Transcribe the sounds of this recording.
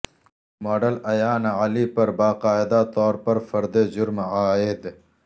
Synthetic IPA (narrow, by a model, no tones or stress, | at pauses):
maːɖɐlɐjaːnɐlipɐɾbaːqaːɪd̪at̪ɔːɾpɐɾfɐɾd̪ed͡ʑʊɾmaːed̪